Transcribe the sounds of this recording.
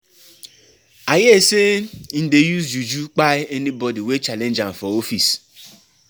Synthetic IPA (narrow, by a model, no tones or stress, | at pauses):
ajɪesen̩dejuzd͡ʒud͡ʒuk͡paɪenibɔdiwet͡ʃalen̩d͡ʒaɱ̩fɔofis